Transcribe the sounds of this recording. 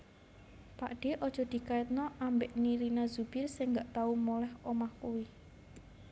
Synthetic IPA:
pa̰ʔɖ̥e̤ʔɔd̥ʒ̥ɔ̤d̪̥i̤kaɪt̪̚nɔʔambeʔniɾinazub̥ɪrsɪŋɡaʔt̪aumolɛhɔmahkuwi

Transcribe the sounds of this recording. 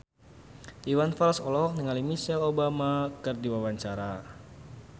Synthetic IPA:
ʔiwanfalsɔlɔɦɔk̚niŋalimisɛlobamakɨrdiwawaɲt͡ʃaɾa

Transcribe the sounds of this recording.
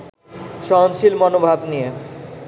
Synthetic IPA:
ʃɔɦonʃilmɔnobʱabnije

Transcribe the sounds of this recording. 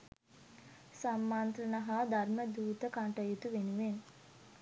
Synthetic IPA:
samːaːnt̪ɾənaɦad̪ʱarməd̪uːt̪əkaɳʈəjut̪uʋenuʋen

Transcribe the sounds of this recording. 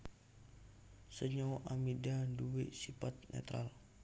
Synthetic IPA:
səɲawʔamidanduweʔsipat̪̚nɛ̰t̪ɾa̰l

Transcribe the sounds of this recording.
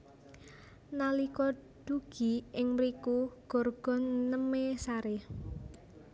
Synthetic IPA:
nalikɔ | ɖ̪̥uɡ̥i̤ɪŋmɾikuɡ̥ɔ̤rɡ̥ɔ̤nːəmesaɾe

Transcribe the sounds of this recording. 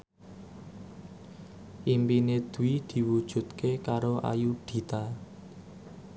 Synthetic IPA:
ʔimpined̪̥ṳwid̪̥i̤wud̥ʒ̥ṳt̪kekaɾoa̰juɖ̪̥i̤t̪a

